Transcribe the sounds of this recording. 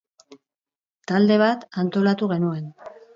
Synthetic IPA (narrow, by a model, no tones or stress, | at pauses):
t̪ald̪e̞β̞at̪ant̪o̞lat̪uɣe̞nue̞n